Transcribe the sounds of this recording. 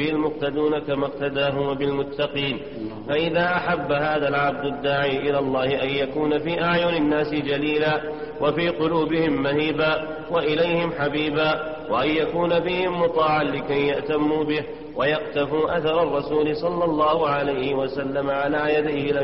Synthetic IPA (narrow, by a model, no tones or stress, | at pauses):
ɪhɪlmʊqt̪ad̪uːnakamaq̚t̪ad̪aːɦʊmbɪlmʊt̪ːɑqiːn | faʔɪðaːʔaħabːahaːðalʕab̚d̪ad̪ːaːʕiːʔɪlaːlˤːɑːhɪʔanjakuːnafiːʔaʕjʊnɪnːaːsɪd͡ʒaliːlaː | wʔafiːqʊluːbɪhɪmːahiːbaː | waʔɪlajhɪmħabiːbaː | waʔanjakuːnabiːhɪmːʊt̪ˤɑːʕanlɪkajːaʔt̪amːuːbɪh | wajɑqt̪afuːʔaθɑɾˤɑrˤːɑsuːlɪsˤɑlːɑlˤːɑːhʊʕalajhɪwasalːamaʕalaːjad̪ajhɪla